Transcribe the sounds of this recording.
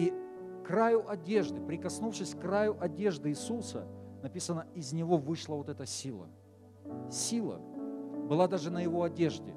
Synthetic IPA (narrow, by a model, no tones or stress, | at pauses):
i | krajʊʔɐdʲe̞ʐd̪ɨpɾʲɪkɐsnufʂɨsʲkrajʊʔɐdʲe̞ʐd̪ɨɪsusə̰nɐpʲisənəɪzʲnʲɪvo̞vɨʂlˠəvo̞t̪ɛt̪əsʲilˠə̰ | sʲilˠə̰bɨlˠad̪aʐɨnəjɪvo̞ɐdʲe̞ʐdʲɪ̰